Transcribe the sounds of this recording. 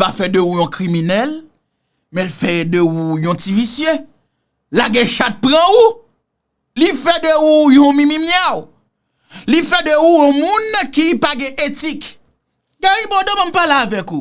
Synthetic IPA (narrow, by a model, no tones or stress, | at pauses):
pafɛdøujɔ̃kʁiminɛl | mɛ̃lfɛdøujɔ̃tivisje | laɡɛ̃ʃat̪̚pɣãu | lifɛdəujɔ̃mĩmĩmjaw | lifɛdøujɔ̃mũnkipaɡɛ̃ʔetik | ɡaɣĩbɔ̃dɔ̃mãmpaleavɛku